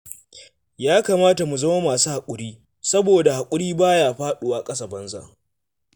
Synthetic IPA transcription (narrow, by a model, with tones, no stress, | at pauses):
jaː˦kaː˨maː˦ta˨mu˨zɐ˦ma˦maː˨suː˦ha˨kʷʼʊ˦ɾiː˦ | sɐ˦boː˨da˨ha˨kʷʼʊ˦ɽiː˦baː˦jaː˨ɸaː˦ɗʊ˨waː˦kʼɐ˦s̬a˨bɐ˦nza̰ː˨